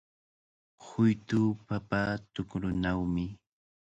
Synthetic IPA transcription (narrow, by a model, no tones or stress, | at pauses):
hʊjt̪ʊːpapat̪ʊkɾʊnawmɪ